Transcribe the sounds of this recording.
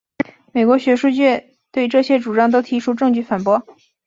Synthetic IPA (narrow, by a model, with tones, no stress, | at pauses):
me˨˩ɪkwɔ˧˥ɕɥɛ˧˥ʂu˥˧t͡ɕɥɛ˥˩ | t̪we˥˧ɪʈ͡ʂɤ˥˩ɕjɛ˥ʈ͡ʂu˨˩ʈ͡ʂɑ˥˩ŋt̪o˥ʊt̪ʰi˧˥ʈ͡ʂʰu˥ʈ͡ʂɤ˥˧ŋt͡ɕy˥˩fa˨˩npwɔ˥